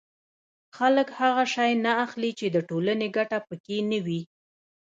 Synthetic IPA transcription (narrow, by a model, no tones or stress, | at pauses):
xaləkhaɣaʃɑjnaːxlit͡ʃed̪əʈolaneɡaʈapəkenəwi